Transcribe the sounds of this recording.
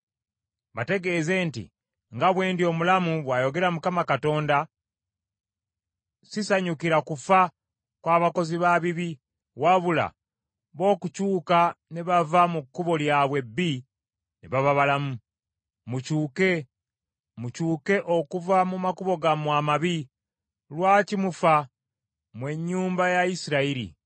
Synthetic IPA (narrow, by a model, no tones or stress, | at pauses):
βate̞ɡe̞ze̞ːntḭ | ŋɡaβwe̞ːndio̞mulamuβwajo̞ɡe̞ɾamukamakato̞ːnda | sisaɲukiɾakufa | kwaːβako̞ziβaβiβi | waβula̰ | βo̞ːkucuːkaneβavamukːuβo̞ljaːβwe̞bːi | neβaβaβalamu | mucuːke̞ | mucuːke̞ʔo̞kuvamumakuβo̞ɡamwaːmaβi | lwaːcimufa | mwe̞ɲːuːmbajaisiɾaiɾḭ